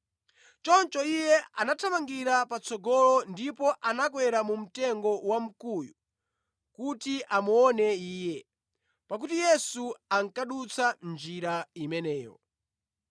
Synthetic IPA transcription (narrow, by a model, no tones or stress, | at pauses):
t͡ʃɔnt͡ʃɔijɛanatʰamaŋɡiɾapat͡sɔɡɔlɔndipɔʔanak̬wɛɾamum̩tɛŋɡɔwam̩kuju | kutiʔamuɔnɛiːjɛ | pak̬utijɛsuaŋ̩kaɗut͡sʰand͡ʒiɾaimɛnɛːjɔ̰